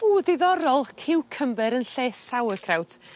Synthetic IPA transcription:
uːðɪðɔɾɔlˠkʰɪwkʰəmbɨɾənɬeːsawəkʰrawt

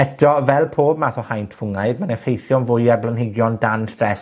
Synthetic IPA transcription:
ɛdʰrɔvɛlˠpʰoːb̚maθɔhajntʰfʊŋaɨdmanɛfejθjɔnvʊjarblənhɪɡjɔndanstrɛɬ

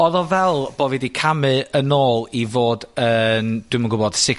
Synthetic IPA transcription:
ɔðɔvɛlˠb̥ɔvidikʰamɨənoːlˠivoːdənd̥wɪməɡʊbɔd̥sɪ

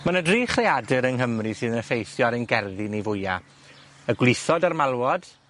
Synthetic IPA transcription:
manədriːχreadɨɾənɦəmrisɨːðnəfejθjɔɾənɡɛrðinivʊja̰ | əɡwlˠɨθɔdarmalˠwɔd̥

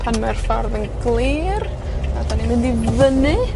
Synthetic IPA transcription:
pʰanmɛrfɔrðənɡlˠiːr | adanimɪndivənɨ

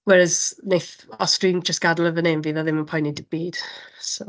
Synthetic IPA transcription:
wɛɾəznejθɔstriːŋd͡ʒəstɡ̥adəlˠəvənenviːðaðɪmənpʰɔjnidib̥iːd̥so

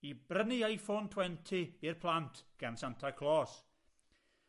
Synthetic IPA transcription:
ibrəniajfontʰwɛntʰiirpʰlˠantʰɡ̥ansantʰakʰlˠɔːs

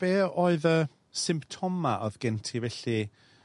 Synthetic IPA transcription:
b̥eːoːɨðə | sɪmptʰɔmaʔɔ̰ðɡɛntʰivɛɬi

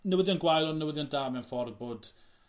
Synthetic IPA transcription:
nəwɪðiɔnɡwajlɔnəwɪðiɔndaːmɛnfɔr̚boːd̥

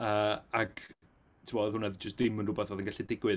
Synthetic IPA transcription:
əːaɡ̥ | tʰɪmɔðhʊnɛðd͡ʒəstd̥ɪmənrʊbɛθvoːðənɡaɬidɪɡwɨ

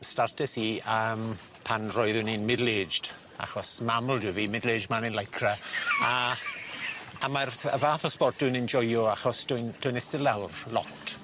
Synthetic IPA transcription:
startʰɛsiəːm | pʰanrɔɨðʊninmɪdleːd͡ʒd̥ | a̰χɔsmamlˠduwviːmɪdleːd͡ʒmanɪnlajkʰraa | amarə̰vaːθɔspɔrt̚d̥ʊnɪnd͡ʒɔjɔaχɔsd̥ʊɨnd̥ʊjnɛstɪlˠawrlɔtʰ

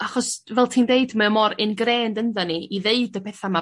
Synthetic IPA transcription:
aχɔsvɛlˠtʰiːndeɨdmamɔɾɪnɡreːndənðɛniiðeɨdəpʰɛθama

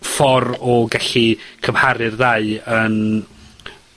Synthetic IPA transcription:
fɔɾɔɡaɬikʰəmhaɾɨrðaɨən

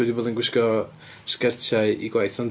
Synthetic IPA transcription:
wɛdiboːðənɡwɪskɔ | skɛrtʰaɨḭɡwajθɔn

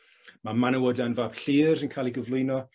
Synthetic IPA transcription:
mamanəwɔdanvaːb̥ɬiːɾənkʰajlˠiɡəvlˠʊjnɔ

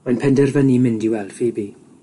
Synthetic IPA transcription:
manpʰɛndɛrvənimɪndiwɛlˠd̥fiːbi

